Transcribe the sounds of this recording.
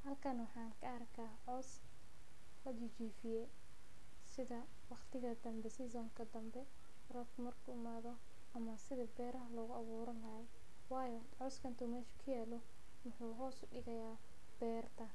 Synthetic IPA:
hɐlkʰɐnwɑħɑːnkʰɐɐrkʰaːʕɔːs | lɐdɪt͡ʃiːfɪjɛ | sɪðɐ | wɑqt̪ʰɪɣɐd̪ɐmbɛsɪs̬ɔːŋkʰɐd̪ɐmbɛ | rɔbkʰʊmɐrkʰuːɪmaːðɔ | ɐmɐsɪðɐbɛːɾɐɦɐlɔːɣʊɐβuːɾɐnlɐhɛ | wɑːjɔ | ʕɔːskʰɐnt̪ʰuːmɛːʃʊ̥kʰʊjaːlɔ | mʊħuːɦɔːsʊɖɪɣɐjaː | b̥ɛːrt̪ʰɐ

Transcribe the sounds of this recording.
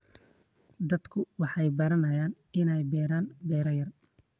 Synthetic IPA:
d̪ɐd̪kʰʊwɑħɑjbɐɾɐnɐjaːn | ɪnɛjbɛːɾaːnbɛːɾɐjɐr

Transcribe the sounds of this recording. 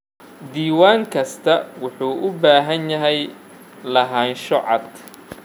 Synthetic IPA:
d̪iːwaːŋkʰɐst̪ʰɐwʊħuːʔʊbaːɦɐnjɐɦɛj | lɐɦaːnʃɔʕɑ̰d̪

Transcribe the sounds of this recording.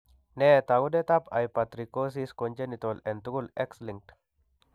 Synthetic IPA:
net̪aɡud̪et̪apajpat̪ɾikːos̬iskond͡ʒenit̪olɛnt̪uɡulɛksliŋt

